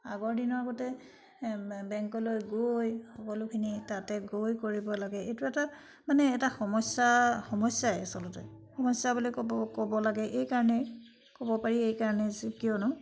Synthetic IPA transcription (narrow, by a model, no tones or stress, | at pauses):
a̰ɡɔɹdinɔɹaɡɔtɛ | bɛŋkɔlojɡojxɔkɔlʊkʰinitatɛɡojkoɹibɔlaɡɛejtuɛta | manɛːtaxɔmɔsaxɔmɔsaɛsɔlɔtɛ̰xɔmɔsabulikkɔbɔlaɡɛʔejkaɹɔnɛ | kɔbɔpaɹiejkaɹɔnɛskijɔnʊ